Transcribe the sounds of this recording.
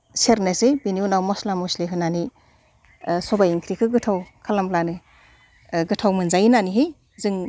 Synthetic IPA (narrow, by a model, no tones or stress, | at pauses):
seɾnɯsebiniunawmɔslamusleɦɯnani | sɔbajiŋkʰɾikʰɯɡɯtʰawkʰalamplanɯ | ɡɯtʰawmɯnzajinaniɦɯj | zɯŋ